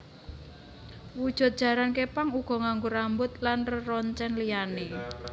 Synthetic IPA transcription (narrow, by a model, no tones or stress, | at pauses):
wud̥ʒ̥ʊ̤t̪̚d̥ʒ̥ä̤ɾankepaŋuɡ̥ɔ̤ŋaŋɡoɾambʊt̪lanrərɔɲt͡ʃɛnlijane